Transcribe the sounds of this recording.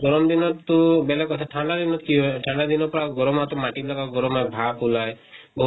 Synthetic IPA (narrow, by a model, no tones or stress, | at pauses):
ɡɔɾɔmd̪inɔt̪ubelɛkɔt̪ʰaʈʰaɳɖad̪inɔkiɦɔeʈʰaɳɖad̪inɔpɔɾaɡɔɾɔmat̪umaʈilakaɡɔɾɔmaebʱapulae | bɔɦ